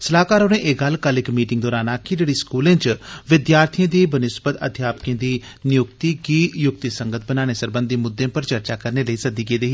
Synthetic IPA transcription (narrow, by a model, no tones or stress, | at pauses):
səlaːkaːɾoːnẽːʔeːɡəlkəlɪkmiːʈɪ̃ŋɡd̪ɔːɾaːnaːkɪd͡ʒeːɽiːskuːlẽːt͡ʃʋɪd̪jaːɾt̪ʰijẽːd̪iːbənɪsbət̪ə̰d̪ʱjaːpəkẽːd̪iː | nɪjʊk̚t̪iːkijʊkt̪isə̃ŋɡət̪ʰbənaːneːsəɾbə̃nd̪iːmʊd̪ːẽːpəɾt͡ʃəɾt͡ʃaːkəɾneːləiːsəd̪ikeːd̪eːɦiː